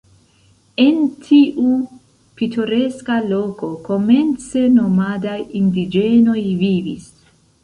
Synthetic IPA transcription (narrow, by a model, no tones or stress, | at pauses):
e̞ntʰiʔu | pitʰoɾe̞skalo̞ko̞ko̞me̞nt͡se̞no̞madajindid͡ʒe̞no̞jvivḭs